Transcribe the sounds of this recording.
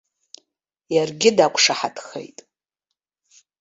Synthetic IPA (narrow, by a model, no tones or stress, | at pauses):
jarɡʲɪdakʷʰʼʂaħatʰʼχḛjtʼ